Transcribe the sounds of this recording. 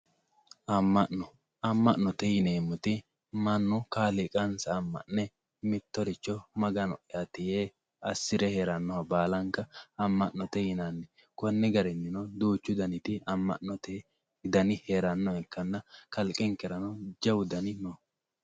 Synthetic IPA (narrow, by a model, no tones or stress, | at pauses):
ɐmːɐʔnɔ | ɐmːɐʔnɔt̪ɛjɪneːmːʊt̪ɪ | mɐnːʊkaːlɪkʼɐnsɐːmːɐ̰ʔnːɛ | mɪt̪ːɔɾɪt͡ʃːɔmɐɡɐnɔ̰ʔɪɐt̪ɪjeː | ɐsːɪɾɛheːɾɐnːɔhɐbaːlɐŋkɐɐmːɐʔnːɔt̪ɛjɪnanːɛ | kɔnːɛɡɐɾɛnːɪnɔd̪uːt͡ʃːʊd̪ɐnɪt̪ɪɐmːɐ̰ʔnːɔt̪ɛ | d̪ɐnɪheːɾɐnːɔɛkːɐnːɐkɐlkʼɛŋkɛɾɐnɔd͡ʒɐwd̪ɐnɪnɔ